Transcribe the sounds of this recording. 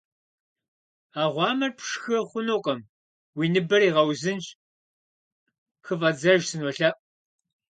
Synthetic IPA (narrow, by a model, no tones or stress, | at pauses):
aːʁʷɑːmɐrpʰʂxɐχʷʊnoːqʼɐm | wiːnɨbɐɾiːʁɐwzɨnt͡ʃʼ | xɨvɐd͡zɐʒsɨnɔɬɐʔʼ